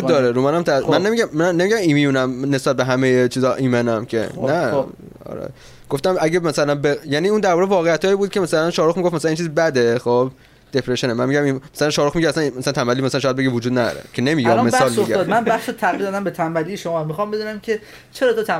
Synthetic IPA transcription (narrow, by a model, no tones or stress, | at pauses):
udd̪ɒːɾeɾumænæmt̪ʰæænːemiɟæmːænːe̞miɟæmimijuːnæmne̞sbæt̪̚beɦæmejet͡ʃʰiːzɒʔiːmenæmcʰḛnæ | ɒ̰ɾɛ̰ | ɡ̥oft̪æmæɟemæsælænbejæniːuːnd̪æɾbɒːʁevɒːɣejæt̪hɒːjiːbuːd̪̚cʰe̞mæsælænʃɒːɾoxmiɡo̞fmæsælæniːnt͡ʃʰiːzbæd̪e̞xob | d̪̥epʰɾeʃonemænmiɟæmimæsælænʃɒːɾoxmiɟæsænmæsælænt̪ʰæmbælːimæslænʃɔːjæd̪be̞ɡivod͡ʒuːd̪̚næd̪ɒ̰ɾḛcʰe̞nemiːɡɛmesɒːlmiofɡæɒːd̪mænbæxset̪ʰæɣiɾd̪ɒd̪æmbet̪ʰæmbælijeʃomɒːmixɒmbe̞d̪uːnæmcʲʰe̞ | t͡ʃʰeɾɒːt̪ʰot̪ʰæ